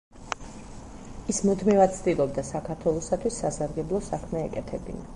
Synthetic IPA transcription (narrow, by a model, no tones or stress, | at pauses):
ismɔd̪mivad̪̚tsʰd̪ilˠɔb̚d̪asakʰaɾt̪ʰwɛlˠɔsat̪ʰwisːasaɾɡɛblˠɔsakʰmɛɛkʼɛt̪ʰɛbḭna